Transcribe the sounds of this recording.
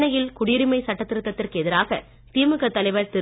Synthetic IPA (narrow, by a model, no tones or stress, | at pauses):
nɐjɪlkʊɽɪɾɪmɐɪsɐʈːɐt̪ːɪɾɯt̪ːɐt̪ːɪrkɛðɪɾaːɣɐ | t̪iːmɯɣɐt̪ːɐlɐɪʋɐɾt̪ɪ